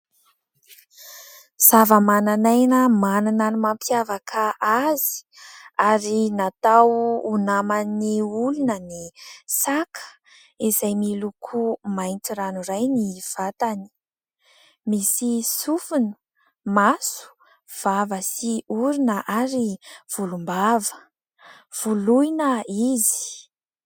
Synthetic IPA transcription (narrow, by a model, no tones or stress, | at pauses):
z̥avəmananajnəmanananimampjavakʰaʔazi̥aɾinat̪awunamaniulunənisakʰə̥ | izajmilukʰumajnt͡siɾanurajniv̥at̪ani̥ | misisufunu̥ | masu̥ | v̥avəsiuɾinəʔaɾiv̥ulumbavə | v̥ulujnəizi̥